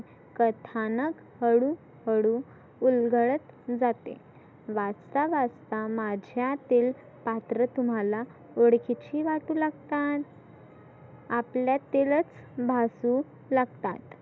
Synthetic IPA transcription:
kət̪ʰanək | həɽuː | həɽuː | lɡʱəɭət̪d͡zat̪ḛ | ʋat͡st̪aʋast̪amad͡ʑʱjat̪iːl | pat̪ɾət̪um̤ala | oɽkit͡ɕiːʋaʈuːlaɡt̪at̪ | apljat̪elət͡sbʱasu | laɡt̪at̪

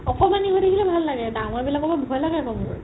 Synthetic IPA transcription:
ɔkɔmaniɦodekʰilɛbʱalːaɡɛdaŋɔɹbilakɔbabʱɔjlaɡɛkɔmʊɹ

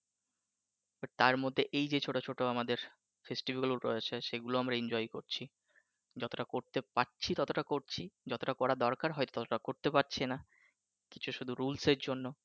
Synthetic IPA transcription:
bat̪aɾmod̪ʱːeʔejd͡ʑet͡ɕʰoʈot͡ɕʰoʈoamad̪eɾ | fesʈibikaluɾoaʃaʃeɡuloamɾaeɲd͡ʑɔjkoɾt͡ɕʰi | d͡ʑɔt̪oʈakoɾt̪epaʈːɕʰit̪ɔt̪oʈakoɾt͡ɕʰid͡ʑɔt̪oʈakɔɾad̪ɔɾkaɾɦɔet̪o̥t̪ɔt̪oʈakoɾt̪epaʈt͡ɕʰena | kit͡ɕʰuʃud̪ʱuɾulseɾd͡ʑonːo

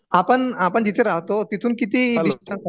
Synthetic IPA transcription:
apəɳapəɳd͡ʑit̪ʰeɾaɦt̪ot̪it̪ʰuːnkit̪iisiən

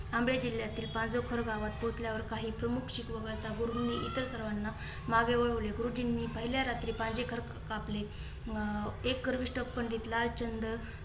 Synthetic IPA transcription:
ambɭjad͡ʑilːjat̪iːlpand͡zokʰəɾɡaʋat̪pot͡sljaʋəɾkaɦiːpɾəmukʰɕikʋəɡəɭt̪aɡuɾumniːʔit̪əɾsəɾʋanːa | maɡeʋəɭəʋleɡɾud͡ʑinːiːpəɦiljaɾat̪ɾiːpãɲd͡ʑekʰəɾ | kaple | ekːəɾʋiɕʈəpːəɳɖit̪laɭt͡ɕənd̪ə

